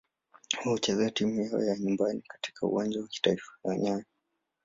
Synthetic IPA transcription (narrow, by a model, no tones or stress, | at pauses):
huhut͡ʃɛzɛatimujaɔ̰jaɲumbanikḁti̥kʰaṵwand͡ʒawaki̥taifḁlaɲaɲa